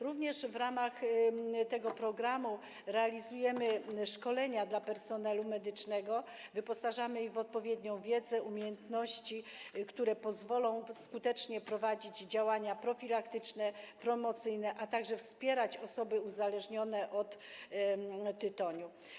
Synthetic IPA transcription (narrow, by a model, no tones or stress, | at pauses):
ɾuvɲɛʂvɾamaxt̪ɛɡɔpɾɔɡɾamu | ɾɛalʲizujɛmɘʂkɔlɛɲad̪lapɛɾsɔnɛlumɛd̪ɘt͡ʂnɛɡɔ | vɘpɔsaʐamɘiɣvɔt̪̚pɔvʲjɛd̪ɲɔ̃w̃vʲjɛd̪zɛʔumʲjejɛnt̪nɔɕt͡ɕikt̪uɾɛpɔzvɔlɔ̃w̃skut̪ɛt͡ʂɲɛpɾɔvad͡ʑid͡ʑd͡ʑawaɲapɾɔfʲilakt̪ɘt͡ʂnɛpɾɔmɔt̪sɘjnɛʔat̪aɡʐɛfspʲjɛɾat͡ɕɔsɔbɘuzalɛʐɲɔnɛʔɔt̪ | t̪ːɘt̪ɔɲu